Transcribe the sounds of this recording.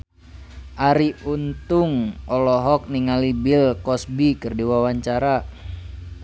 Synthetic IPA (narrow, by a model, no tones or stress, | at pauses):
ʔaɾiunt̪uŋʔɔlɔɦɔk̚niŋalibilkɔsbikɨrdiwawaɲt͡ʃaɾa